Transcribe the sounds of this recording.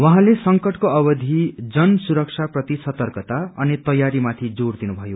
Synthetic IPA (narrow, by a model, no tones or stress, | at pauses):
wʌ̃ɦãlesʌŋkʌʈkoʌbʌd̪ʱid͡zʌnsuɾʌk̚t͡ʃʰaprʌt̪isʌt̪ʌrkʌt̪aʌnit̪ʌjaɾimat̪ʰid͡zord̪inubʱʌjo